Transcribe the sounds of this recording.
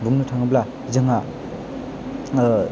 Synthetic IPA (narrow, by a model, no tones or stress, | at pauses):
buŋnutʰaŋɯbla | zɯŋa